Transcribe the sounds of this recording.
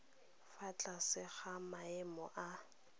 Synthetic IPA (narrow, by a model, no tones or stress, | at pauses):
fat͡ɬʼasɪχamaɪmɔʔa